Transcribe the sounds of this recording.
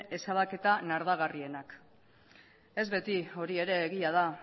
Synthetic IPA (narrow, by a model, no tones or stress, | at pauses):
e̞saβake̞t̪anaɾðaɣ̞arie̞nak | e̞zβe̞t̪io̞ɾie̞ɾe̞ːɣiað̞a